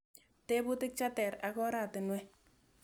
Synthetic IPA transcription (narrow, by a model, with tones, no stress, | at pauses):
te˦bʊ˦tɪ˦k̚t͡ʃa˦tɛ˨ɾa˨kɔ˦ɾa˨tɪ˨nwɛ˦